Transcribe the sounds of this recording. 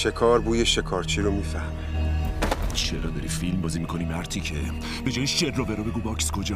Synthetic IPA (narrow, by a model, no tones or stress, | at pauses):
ʃekʰɒːɾbuːjeʃekʰɒːɾt͡ʃʰiːɾomiːfæhmi̥ | ʃeʔɾɒd̪ɒɾiːfilmbɒːziːmiːkʰo̞nimæɾt̪ʰiːcʰe | b̥e̞d͡ʒɒːjiʃeɾːɔbeɾɔbe̞ɡuːbɒkskʰod͡ʒɛ